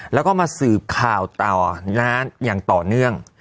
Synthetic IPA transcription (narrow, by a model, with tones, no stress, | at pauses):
lɛ˦˥wkɔː˥˩maː˧sɯː˨˩p̚kʰaː˨˩wt̪a˨˩wnaː˦˥njaː˨˩ŋt̪ɔː˨˩nɯ˥˩əŋ